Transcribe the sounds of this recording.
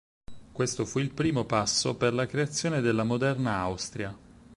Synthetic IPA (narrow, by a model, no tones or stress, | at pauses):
kwest̪ofuilpɾiːmopasːoperlakɾeat̪sːjoːned̪elːamod̪ɛrnaawst̪ɾja